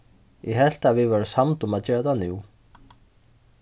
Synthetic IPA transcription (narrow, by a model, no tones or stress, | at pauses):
jɛɣɦɛl̥t̪aðvɪvaɾʏsamt̪umaðt͡ɕɛːɾat̪anuw